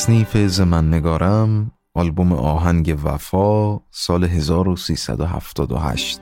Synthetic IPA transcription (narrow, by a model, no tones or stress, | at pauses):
sniːfezemænːeɡɒːɾʔæm | ʔɒːlbomḛʔɒːɦæŋɟe̞væ̰fɒːsɒːleɦe̞zɒːɾosiːsæ̰d̪oɦæ̰ft̪ʰɒ̰ːd̪o̰ɦæ̰ʃt̪